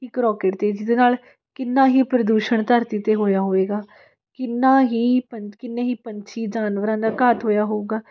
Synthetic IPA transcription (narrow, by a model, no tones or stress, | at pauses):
ɪkɾɔːkeːʈt̪eːd͡ʒɪd̪eːnaːl | kɪnːãːɦiːpɾəd̪uːʃəɳt̪əɾt̪iːt̪eːɦoːjaːɦoːʋeːɡaː | kɪnːaːɦiːpəkɪnːeːɦiːpəɲt͡ʃʰiːd͡ʒaːnʋəɾãːd̪aːkat̪ɦoːjaːɦoːuɡaː